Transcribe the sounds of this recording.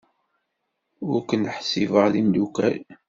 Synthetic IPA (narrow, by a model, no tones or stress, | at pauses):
ʊɾkənħsivəʁðind̪ukæ̰l